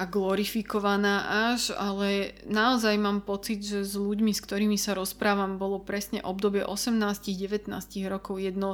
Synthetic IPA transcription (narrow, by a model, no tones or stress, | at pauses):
aɡlɔɾifikɔʋanaːʔaʒalɛnaɔzajmaːmpɔt͡sid̪ʒɛzʎuɟmiskt̪ɔɾiːmisaɾɔspɾaːʋambɔlɔpɾɛsɲɛ̰ʔɔbd̪ɔbɪɛʔɔsɛmnaːsciɣɟɛʋɛt̪na̰ːsciɣɾɔkɔʊjɛd̪nɔ